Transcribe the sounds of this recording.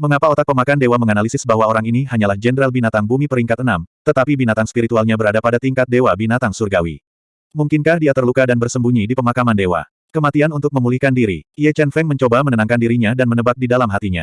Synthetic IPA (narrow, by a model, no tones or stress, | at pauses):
məŋapaot̪ak̚pəmakandewaməŋanalisɪsbaɦwaoɾaŋiniɦaɲalahd͡ʒɛnəɾalbinat̪aŋbumipəɾiŋkat̪̚ənamt̪ət̪apibinat̪aŋspiɾit̪ualɲabəɾadapadat̪iŋkat̪̚dewabinat̪aŋsurɡawḭ | muŋkɪnkahdiat̪ərlukadanbərsəmbuɲidipəmakamandewa̰ | kəmat̪ianunt̪ʊk̚məmulihkandiɾḭiat͡ʃɛnfɛŋməɲt͡ʃobamənənaŋkandiɾiɲadanmənəbak̚didalamɦat̪iɲa̰